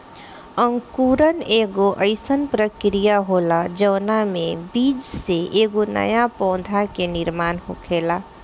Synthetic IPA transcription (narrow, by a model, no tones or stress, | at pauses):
əŋkuːɾəneːɡoʔəɪsənpɾəkɾijaɦoːlad͡ʒəːnamẽbiːd͡ʒseʔeːɡonə̰japɔ̃ʊd̪ʱakenɪɾmaːnɦokʰeːlaː